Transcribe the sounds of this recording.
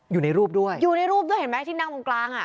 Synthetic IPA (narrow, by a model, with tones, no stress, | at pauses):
juː˨˩na˧jɾuː˥˩p̚du˥˩əjjuː˨˩na˧jɾuː˥˩p̚du˥˩jhe˨˦mɛː˦˥˩t̪ʰi˥˩na˥˩ʔo˧ŋklaː˧ŋʔa˨˩